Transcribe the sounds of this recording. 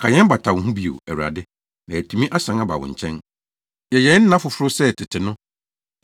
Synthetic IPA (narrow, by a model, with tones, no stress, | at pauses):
kʰa˨ɲɛ̃˦m˦ba˨tʰa˨wʊ̃˨ɦũ˦bi˨o̰˨æ̰˨wu˨a̰˨dɪ˦ | nã˨æ˨tʰũ˨mĩ˦ʔa˦sã˨ŋa˦ba̰˨wʊ̰̃˨ɲ̩˨t͡ɕʰɛ̃˦n | jɛ˨jɛ̃˨˦n˦n̩˦nã˦fʊ˨fʊ˦ɾʊ˦sɛ˦˨tʰɪ˨tʰɪ˨nʊ̃˦